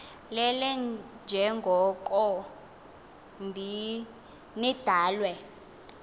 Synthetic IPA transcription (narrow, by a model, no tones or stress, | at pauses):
lɛlɛnd͡ʒʱɛŋɡʱɔkʼɔ | ndʱi | nid̥ʱaːlwɛ